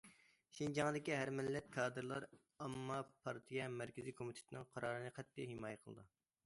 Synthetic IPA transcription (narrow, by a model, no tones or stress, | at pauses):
ʃind͡ʒɑŋd̪ɪkʲiɦæɾmɪlːɛt̪̚kʰɑːd̪ɨɾlˠɑɾ | ɑmːɑpʰɑɾt̪ʰijɛmɛɾkʲɪzikʰomit̪ʰe̥t̪ɪnɨŋqʰɑɾɑːɾɨnɨqʰɛt̪ʰːijɦemɑːjɛqʰəlˠɨ̰d̪ɨ